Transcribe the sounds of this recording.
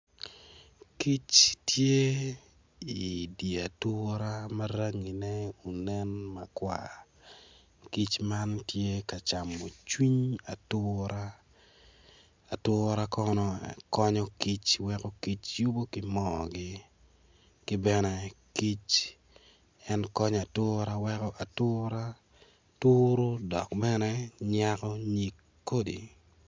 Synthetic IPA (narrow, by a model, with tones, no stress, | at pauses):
ki˦t͡ʃtje˦ | i˨di˨a˨tʊ˦ɾa˦ma˦ɾa˦ŋi˨nɛ˦u˨nɛ˦nma˨kwa̰˨ | ki˦t͡ʃma˦ntje˦ka˨t͡ʃa˨mːo˨t͡ʃwi˦ɲa˨tʊɾa˦ | a˨tʊː˦ɾa˦kɔnɔ̰˦kɔ˦ɲɔ˦ki˦t͡ʃwɛkɔ˦ki˦t͡ʃju˦bo˦kɪ˦mɔ˦ɡɪ˦ | kɪ˦bɛ˦nɛ˦ki˦t͡ʃ | ɛ˦nkɔ˦ɲa˨tʊː˦ɾa˦wɛ˦kɔ˦ʔa˨tʊː˦ɾa˦ | tʊːɾo˦dɔ̰˨kbɛ˦nɛ˦ɲakɔ˦ɲi˨kː | o˦dḭ˨